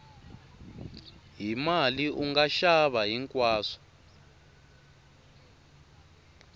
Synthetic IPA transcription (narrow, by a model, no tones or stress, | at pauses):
ɦimaliʔuŋɡaʃaβaɦiŋkʼwaːsɔ̥